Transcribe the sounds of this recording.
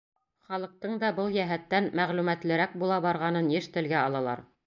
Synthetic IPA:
χɑlˠɤ̆q̚t̪ɤɴd̪ɑbɤlˠjæɦæt̪ːænmæʁlʉmæt̪lɘ̆ɾæk̚bulˠɑbɑɾʁɑnɤnjɘʃt̪ɘ̆lɡæɑlˠɑlˠɑ̰ɾ

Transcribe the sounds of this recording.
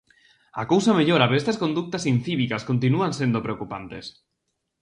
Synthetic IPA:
akowsameʎoɾaβeest̪askond̪uk̚t̪asinθiβikaskont̪inuansend̪opɾeokupant̪es

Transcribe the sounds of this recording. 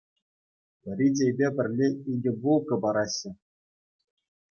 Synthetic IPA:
pʲɘ̆rʲidʲejbʲepʲɘ̆rʲlʲeiɡʲɘ̆bulˠkɤ̆bɑɾɑɕːɘ̆

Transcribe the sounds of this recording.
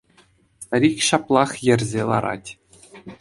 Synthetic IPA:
st̪aɾʲikʲɕɑplˠɑχjɘ̆rʲzʲelˠɑ̰ɾɑ̰tʲ

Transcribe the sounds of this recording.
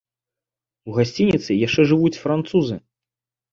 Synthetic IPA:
uɣasʲt͡sʲinʲit̪sɨjaʂt͡ʂɛʐɨvut͡sʲfɾant̪suzɨ

